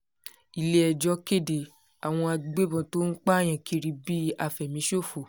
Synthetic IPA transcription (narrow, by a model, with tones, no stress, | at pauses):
i˨le˧ɛ˨d͡ʒɔ˧˦ke˦˨de˨ | a˨w̃ɔ̃˧a˧ɡ͡be˦bɔ̃˧to˦n̩˦k͡pa˦˨j̃ã˨kʰi˨˧ɾi˧˦bi˦a˧fɛ˨mĩ˨˦ʃo˦˨fo˨